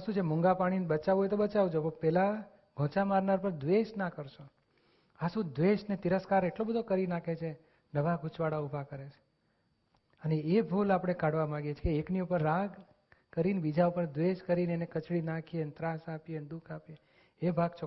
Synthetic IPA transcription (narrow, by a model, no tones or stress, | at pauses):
sũt͡ʃʰemũŋɡapaɽ̃inbət͡ʃaʋɦojt̪obət͡ʃaʋud͡ʒopopɛla | ɡʱõt͡ʃamaɾnaɾpəɾd̪ʋeʃnakəɾʃo | asũd̪ʋeʃnet̪iɾəskaɾeʈlobəd̪ʱokəɾinakʰet͡ʃʰe | nəʋaɡʱʊt͡ʃʋaɽaubʱakəɾet͡ʃʰe̥ | əneebʱulapɽ̃ekaɽʋamãɡet͡ʃʰe̥keːkniupəɾːaɡ | kəɾinbid͡ʒaupəɾd̪ʋeʃkəɾineenekət͡ʃɽinakʰient̪ɾasapjend̪ukʰapjeː | bʱaɡt͡ʃʰo